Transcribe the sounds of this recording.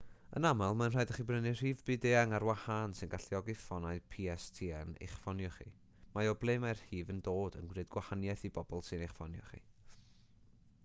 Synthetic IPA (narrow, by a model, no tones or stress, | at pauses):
ə̰namalˠmanr̥aːjdəχibrənɨr̥iːvbɨdeaŋaɾwahansɨnɡaɬiɔɡɨfɔnaɨpʰiːɛstʰiːɛnḛjχfɔnjɔχḭ | majɔblˠejmajr̥hiːvəndoːdə̰nɡwrɨd̚ɡwahanjaθibɔb̥ɔlˠsɨnejχfɔnjɔ̰χḭ